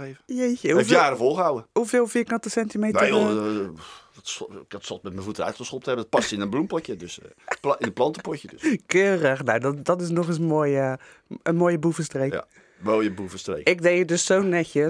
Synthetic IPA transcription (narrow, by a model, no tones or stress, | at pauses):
evəjejçəhuejaːɾəvolˠχəɦawəhufeːlˠfiːkɑntəsɛntimejtneə | tskɔtsɔltmɛt̚mɛ̃nvutəɛɥtχəsχɔp̚təɛbədɔt̚pɑstɪnənblumpɔcjədøsɪəplɑntəpɔcədskøːrəxnowdɔdɔtɪs̬nɔxɪsənmoːjə | ənmoːjəbuvəstrek | ʋɛlˠjəbuvəstrḛːkɪk̚dejədøssownːɛçə